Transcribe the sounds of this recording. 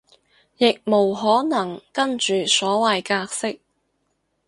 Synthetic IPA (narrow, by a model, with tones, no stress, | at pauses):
jɪ˨k̚mo˨˩wɦɔː˨˥nɐ˨˩ŋkɐ˥nt͡ʃyː˨sɔː˨˥wɐ˨jkaː˧k̚sɪ˥k̚